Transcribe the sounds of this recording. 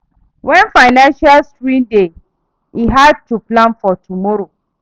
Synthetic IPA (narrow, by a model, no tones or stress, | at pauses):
wɛ̃nfaɪnãnʃalskɹĩmde | iɦad̚tuplãnfɔtumɔɾo